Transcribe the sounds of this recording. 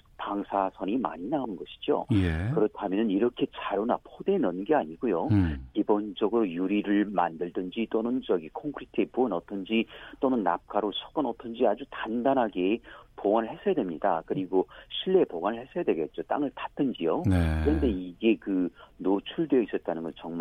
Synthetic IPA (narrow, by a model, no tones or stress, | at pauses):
paŋsʰasʰʌnima̰ɲinaunɡʌɕʰi̥d͡ʑo̰jekɯɾʌtʰamjʌnɯniɾʌkʰe̞t͡ɕaɾonapʰode̞nʌnɡeaɲiɡojokibond͡ʑʌɡɯɾojuɾiɾɯɭma̰ndɯɭdɯnd͡ʑit͈onɯnt͡ɕʌɡikʰʌŋkʰɯɾitʰɯepuɯnʌt͈ʌnd͡ʑit͈onɯnːa̰p̚k͈aɾosʰo̥k͈ɯnʌt͈ʌnd͡ʑiad͡ʑutandanɦaɡepoɡwanɯɭhesʰʌjadwemɲidakɯɾiɡoɕʰiɭːe̞poɡanɯɭhe̞sʰʌjadweɡe̞t̚t͡ɕ͈ot͈a̰ŋɯɭtḁt̚t͈ɯnd͡ʑijonkɯɾʌnde̞iɡe̞kɯnot͡ɕʰuɭdweʌis͈ʌt̚t͈anɯnɡʌnt͡ɕʌŋma